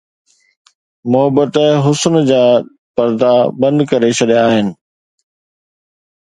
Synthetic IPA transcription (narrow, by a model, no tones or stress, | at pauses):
mʊɦəbət̪ɦʊsnd͡ʑaː | pɐɾd̪abɐ̃nd̪kɐɾet͡ɕʰɐɗjaaːɦɪnɪ̆